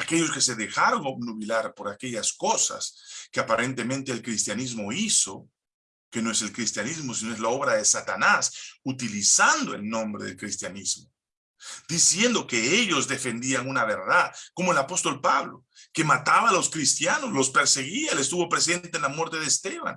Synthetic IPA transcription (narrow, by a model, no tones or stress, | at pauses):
ake̞ʎo̞ske̞se̞ðe̞xaɾo̞ŋoβnuβilaɾpo̞ɾake̞ʝasko̞sa̰skeapaɾe̞nt̪e̞mẽnt̪eːlkɾist̪janizmo̞iso̞ | ke̞no̞e̞selkɾist̪janizmo̞sinoe̞zlao̞βɾaðesat̪anasut̪ilisand̪o̞e̞̰lnõ̞mbɾe̞̰ðelkɾist̪janizmo | d̪̥isje̞nd̪o̞ke̞eʎo̞zðe̞fe̞nd̪iaŋunaβe̞ɾðaðko̞moelapo̞st̪o̞lpaβlo̞̰ke̞mat̪aβaːlo̞skɾist̪janoslo̞spe̞ɾse̞ɣiaelest̪uβo̞pɾe̞s̬e̞nt̪eenlamwe̞ɾt̪eðeːst̪e̞βa̰n